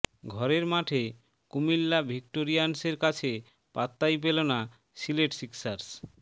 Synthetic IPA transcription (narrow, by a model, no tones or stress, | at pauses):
ɡʱɔɾeɾmaʈʰe | kumilːabʱikʈoɾijanseɾkat͡ɕʰe | pat̪ːajp̬elona | sileʈsiksaɾs